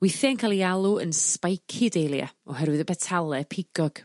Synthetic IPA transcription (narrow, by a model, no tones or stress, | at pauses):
wɪθjankʰajlˠialˠuə̰nspajkʰɪdejlˠja̰ɔɦɛɾwɪðəbɛtʰalˠɛpʰɪɡ̥ɔɡ̥